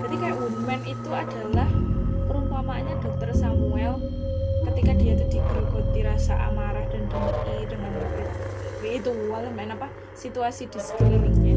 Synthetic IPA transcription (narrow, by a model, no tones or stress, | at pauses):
d͡ʒat̪ikajaʔunwɛnit̪uad̥a̤lahpəɾumpamaaɲad̥ɔk̚t̪ɔrsamuɛl | kət̪ikadiat̪ud̪̥iɡəɡo̤t̪̚iɾasaʔa̰maɾahd̥andɔŋəridəŋandɔkt̪ɔwiit̪ualahmaɪnapa | sit̪uasid̥i̤sə̥kər